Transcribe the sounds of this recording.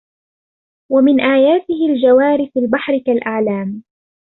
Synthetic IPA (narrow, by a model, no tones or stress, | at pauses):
wamɪnʔaːjaːt̪ɪhɪld͡ʒawaːɾɪfalbaħɾɪkalʔaʕlaːm